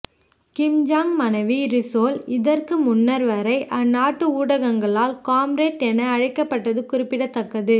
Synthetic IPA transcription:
kɪmd͡ʒaːŋmɐnɐʋiɾɪsoːlɪðɐrkɯmʊnːɐɾʋɐɾɐɪʔɐnːaːʈːɯuːɽɐɣɐŋɡɐɭaːlkaːmɾeːʈɛnɐːɻɐɪkːɐpːɐʈːɐðɯkʊɾɪpːɪɽɐt̪ːɐkːɐðɯ

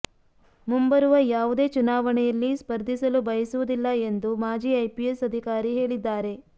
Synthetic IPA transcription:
mumbɐɾuʋɐjaːʋud̪e̞ːt͡ʃunaːʋɐɳɛjɐlːispɐɾd̪ʱisɐlubɐjɐsuʋud̪ilːɐe̞nd̪umaːd͡ʒiːɐjpiesɐd̪ʱikaːɾiɦeːɭid̪ːaːɾe̞

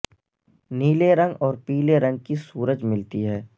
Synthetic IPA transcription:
niːleɾə̃ŋɡɔːɾpiːleɾɐ̃ŋɡ̚kisuːɾəd͡ʒmɪlt̪iɦɛː

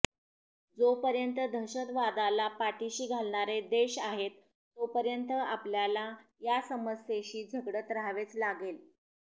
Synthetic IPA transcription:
d͡zopəɾjənt̪əd̪ʱəɕət̪ʋad̪alapaʈiɕiːɡʱalɳaɾed̪eɕaɦet̪ː | opəɾjənt̪əapljalajasəməsjeɕiːd͡zʱəɡɽət̪ɾaʋet͡slaɡel

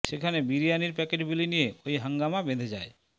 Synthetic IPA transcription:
ʃekʰanebiɾijaniɾpɛkeʈbilinijeojɦaŋɡamabed̪ʱed͡ʑae

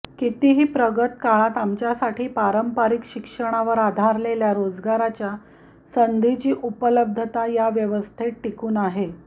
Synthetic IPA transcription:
kit̪iɦiːpɾəɡət̪kaɭat̪amt͡ɕjasaʈʰiːpaɾəmpaɾikɕikʂəɽ̃aʋəɾad̪ʱaɾleljaɾod͡zɡaɾat͡ɕja | sənd̪ʱit͡ɕiːʔupələb̚d̪ʱət̪ajaʋjəʋəst̪ʰeʈʈːikuːnaɦe

